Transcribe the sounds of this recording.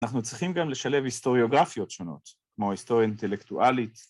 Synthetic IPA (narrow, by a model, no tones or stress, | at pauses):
anaχnut͡sʁiχimɡamle̞ʃale̞vist̪o̞ʁjo̞ɡʁafjo̞tʃo̞no̞̰t̪ | kmo̞ist̪o̞ʁjaint̪e̞lekt̪uʔalit̪